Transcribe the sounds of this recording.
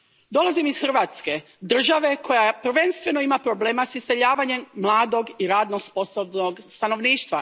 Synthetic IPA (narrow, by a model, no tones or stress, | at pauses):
d̪o̞lazimisxərʋaːt̪ske̞ | d̪r̩ʒaʋe̞kʰo̞japr̩ʋe̞nst̪ʋe̞noimapɾoble̞ːmasise̞ʎaːʋaɲe̞mːlˠaːd̪o̞ɡiɾaːd̪nosposobnoɡst̪ano̞ʋniːʃt̪ʋa̰